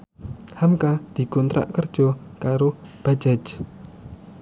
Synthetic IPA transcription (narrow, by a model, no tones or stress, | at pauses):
hamkad̪̥i̤kont̪ɾa̰ʔkərd̥ʒ̥ɔ̤kaɾob̥ad͡ʒad͡ʒ